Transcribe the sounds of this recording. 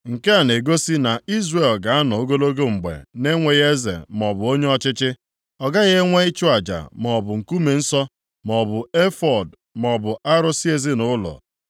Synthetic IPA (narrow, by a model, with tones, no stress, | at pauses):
ŋ̩˨ke˦a˨ne˨ɡo˦si˦na˨i˦zre˨lɡa˨a˦nɔ˨o˦ɡo˦lo˦ɡo˦ŋ͡m̩˨ɡ͡bḛ˨ne˦ŋʷe˨ɣe˦zḛ˨m˨ɔ˨bʊ˨o˦ɲe˦ɔ˦t͡ʃɪ˦t͡ʃɪ˦ | ɔ˨ɡa˦ɣe˦ŋʷe˦ɪ˦t͡ʃʊ˦a˨d͡ʒa̰˨m˨ɔ˨bʊ˨ŋ̩˨ku˦me˨n̩˦sɔ˦ | mɔ˨bʊ˨e˦fɔ˨d | m˨ɔ˨bʊ˨ʔa˦ɾʊ˦si˦e˦zɪ˦nʊ˦lɔ̰˨